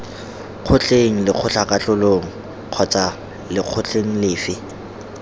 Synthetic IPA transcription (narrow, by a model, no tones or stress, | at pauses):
q͡χʰʊt͡ɬeŋ̩lɪq͡χʰʊt͡ɬakʼat͡ɬʊloŋ̩ | q͡χʰɔt͡sʼa | lɪq͡χʰʊt͡ɬʼeŋ̩lɪːfɪ